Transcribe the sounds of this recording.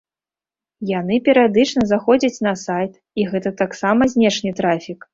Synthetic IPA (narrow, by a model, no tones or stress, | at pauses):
janɨpʲɛɾɨjad̪ɨt͡ʂnɐzaxɔd͡zʲɐt͡sʲnɐsajt̪ | iɣɛt̪ɐt̪aksamɐzʲnʲɛʂnʲɨt̪ɾafʲik